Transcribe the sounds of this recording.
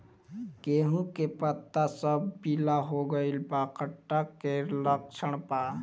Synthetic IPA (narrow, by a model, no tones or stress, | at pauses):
keɦũkepət̪ːasəbpilaɦoɡəɪlpakəʈːakeləkt͡ʃʰəɳpa